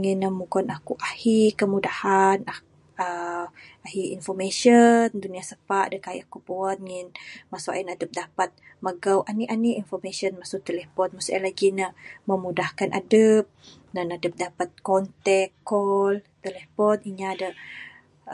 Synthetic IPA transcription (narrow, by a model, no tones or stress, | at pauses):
ŋinːəmuɡɔnakuʔahikəmudahana | ə | ahiinfɔmeʃənduniasəpaʔdəkaiʔakupuanŋɪnmasuʔa̰inadəp̚dapat̪̚ | məɡawʔaniʔaniinfɔrmesənmasʊt̪elɛfɔnmasualaɡinəməmudahkanʔa̰dəp̚ | nanadəp̚dapat̪̚kɔnt̪ɛkːɔlt̪elefɔniɲadə